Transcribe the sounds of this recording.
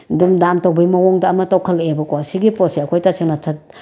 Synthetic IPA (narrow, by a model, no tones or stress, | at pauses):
dumdantawbɐjmɐwɔŋdɐːmɐtɐwkʰɐlebɐkɔasiɡipɔseɐkʰojtasʰɯŋnɐtʰɐt̚